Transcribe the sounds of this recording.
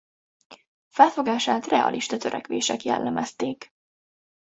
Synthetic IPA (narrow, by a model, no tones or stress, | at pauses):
fɛlfo̞ɡaːʃaːt̪rɛɒ̰lʔiʃt̪ɒt̪øɾʔɛkʋeːʃɛkjɛ̰lːɛmɛst̪eːk